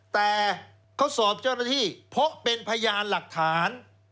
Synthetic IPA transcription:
t̪ɛː˨˩ | kʰa˦˥wsɔː˨˩p̚t͡ɕaː˥˩naː˥˩t̪ʰiː˥˩pʰo˦˥ʔpe˧npʰa˧jaː˧nla˨˩k̚t̪ʰaː˩˦n

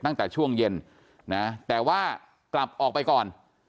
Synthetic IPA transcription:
t̪a˥˩ŋt̪ɛː˨˩t͡ɕʰu˥˩əŋje˧n | na˦˥t̪ɛː˨˩waː˥˩ | kla˨˩p̚ʔɔː˨˩k̚pa˧jkɔː˨˩n

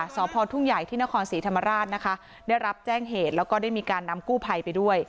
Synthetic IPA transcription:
sɔː˩˦pʰɔː˧t̪ʰu˥˩ŋja˨˩jt̪ʰiː˥˩na˦˥kʰɔː˧nsiː˩˦t̪ʰa˧mːa˧ɾaː˥˩t̪̚na˦˥kʰa˦˥ | daː˥˩jɾa˦˥p̚t͡ɕɛː˥˩ŋɦeː˨˩t̪̚lɛː˦˥wkɔː˥˩daː˥˩jmiː˧kaː˧nːa˧mkuː˥˩pʰa˧jpa˧jdu˥˩əj

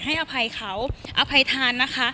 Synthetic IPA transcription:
ɦa˥˩jʔa˧pʰa˧jkʰa˦˥wʔa˧pʰa˧jt̪ʰaː˧nːa˦˥kʰa˦˥

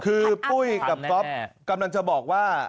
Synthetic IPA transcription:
kʰɯː˧pu˥˩jka˨˩p̚sɔ˦˥p̚ka˧mla˧ŋt͡ɕa˨˩bɔː˨˩k̚waː˥˩

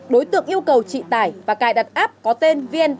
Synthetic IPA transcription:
ɗo˨˦jt̪ɨ̰˧˨əŋʔi˧əwkə˨˩wt͡ɕḭ˧˨t̪aː˧˩jvaː˨˩kaː˧˩jɗa˨˩t̚ʔaː˦˥p̚kɔ˨˦t̪e˧nvi˧ən

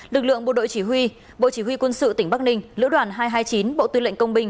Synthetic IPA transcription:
lɨ˨˩k̚lɨ̰˧˨əŋɓo̰˧˨ɗo̰˧˨jt͡ɕi˧˩ɦwi˧ | ɓo̰˧˨t͡ɕi˧˩ɦwi˧kwə˧nsɨ̰˧˨t̪ï˩ŋ̟ɓa˦˥k̚nï˧ŋ̟lɨ̰˧˥ɗwaː˨˩nɦaː˧jɦaː˧jt͡ɕi˨˦nɓo̰˧˨t̪wɨ˧lə̰˧˨ŋkə˧wŋ͡mɓï˧ŋ̟

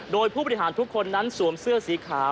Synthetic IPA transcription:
doː˧jpʰuː˥˩bɔ˧˩i˧ɦaː˩˦nt̪ʰu˦˥kʰːo˧nːa˦˥nsu˩˦msɯ˥˩ɐsiː˩˦kʰaː˩˦

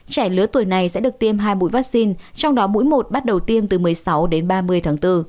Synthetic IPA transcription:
t͡ɕɛ˧˩lɨ˨˦ət̪wəjna˨˩jsɛ̰˧˥ɗɨ˨˩ək̚t̪i˧əmɦaː˧jmṵ˧˥jvaː˦˥k̚si˧nt͡ɕɔ˧wŋ͡mɗɔ˨˦mṵ˧˥jmo˨˩t̚ɓa˦˥t̚ɗə˨˩wt̪i˧əmt̪ɨ˨˩mɨ˨˩əjsa˨˦wɗe˨˦nɓaː˧mɨ˧əjt̪ʰaː˨˦ŋt̪ɨ˧

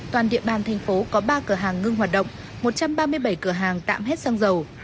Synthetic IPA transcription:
t̪waː˨˩nɗḭ˧˨əɓaː˨˩nt̪ʰɛ˨˩jŋ̟fo˨˦kɔ˨˦ɓaː˧kɨ˧˩əɦaː˨˩ŋːɨ˧ŋɦwaː˨˩t̚ɗə̰˧˨ŋ͡m | mo˨˩t̚t͡ɕa˧mɓaː˧mɨ˧əjɓə˧˩jkɨ˧˩əɦaː˨˩ŋt̪a̰ː˧˨mɦɛ˦˥t̚saː˧ŋzə˨˩w

